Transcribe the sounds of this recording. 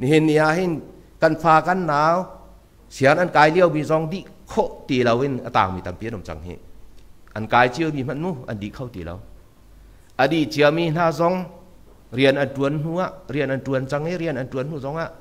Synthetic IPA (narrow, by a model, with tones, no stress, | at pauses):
ni˧˨hi˨nːi˧a˧˨ʔɦi˧n | kɐ˧˨nfʰaː˧kɐ˧˨nːaː˨˧˦w | sʰi˧˨ə˦nʔɐ˨nkaː˨˧jli˧ə˧˨wmiː˧˨zɔ˧ŋdi˧˨ʔkʰɔ˦˨ʔt̪i˨˩lɐ˨˧wʔi˧˨nə˧˨t̪a̰ː˨ŋmi˨t̪ɐ˨mpi˧˦˨nʊ˨mt͡sa̰˧ŋɦḭ˧˨ | ʔɐ˨nkaː˨˧jt͡si˧ə˨mi˧mɐ˧nmu˧˨ʔɐ̰˨ndi˨ʔkʰɔ˧wt̪i˨lɔ̰˧˦w | ʔə˨ɗi˨ʔt͡si˧ə˧lmi˧n̥aː˧zɔ˧ŋ | ri˧˨ənʔɐ˨ntu˨˧ənn̥u˧˦a˧˨ʔri˧˩ənʔɐ˨ntu˨˧ənt͡sa˧ŋhi˦˨ɾi˧ə˨nʔɐ˨ntu˨˦ənn̥u˧zɔ˧˦ŋa˧˨ʔ